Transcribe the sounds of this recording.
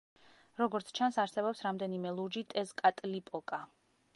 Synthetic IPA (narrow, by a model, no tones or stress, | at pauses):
ɾɔɡɔɾt̪sʰt͡ʃʰansaɾsɛbɔpsɾamd̪ɛnimɛlˠuɾd͡ʒit̪ʼɛzkʼat̪ʼlipʼɔkʼa